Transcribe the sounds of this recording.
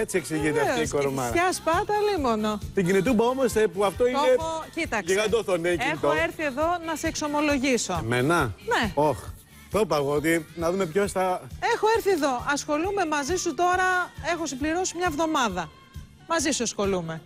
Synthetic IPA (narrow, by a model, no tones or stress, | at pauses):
et͡sieksiʝit̪ekoɾomɐɐspɐt̪ɐlimono̞t̪iɲɟinit̪̬umbɐomosepuɐft̪o̞ineocit̪ɐeɣɐd̪oθoneixt̪oeɾθie̞ðo̞nɐseːkso̞mo̞lo̞ʝiso̞menɐne̞o̞x | t̪opɐɣoot̪inɐðume̞pço̞st̪ɐexo̞eɾθieðo̞ʔɐsxo̞lume̞mɐzisut̪o̞ɾɐe̞xosibliɾo̞simɲɐevðo̞mɐðɐ | mɐzisuɐsxo̞lume̞